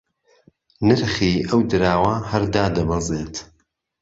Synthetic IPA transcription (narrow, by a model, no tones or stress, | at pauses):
nɨɾχiːʔɐwd̪ɨɾaːwɐhɐɾd̪aːd̪ɐbɐzeːt̪ʰ